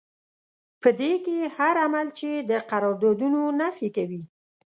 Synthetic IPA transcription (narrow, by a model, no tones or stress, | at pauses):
pəd̪ekehaɾamalt͡ʃed̪əqaɾɔɾd̪od̪unonafikawi